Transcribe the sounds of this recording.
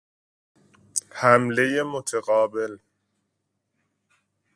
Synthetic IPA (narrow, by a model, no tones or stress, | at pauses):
hæmle̞jemot̪ʰeɣɒːbe̞l